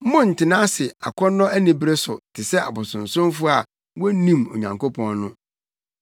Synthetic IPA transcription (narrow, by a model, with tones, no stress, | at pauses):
mʊ̃˦˨n̩˨tʰɪ˨nãː˦sɪ˨a̰˨kʰɔ˦nɔ̃˦æ˦nĩ˨bɾe˦sʊ˨tʰɪ˨sɛ˦a̰˨bʊ˨sʊ̃˨n̩˨sʊ̃˦mfʊ˦a˨ | wɔ˦nĩ˦˨mo˨ɲã˨ŋko˦pʰɔ̃˦nnʊ̃˦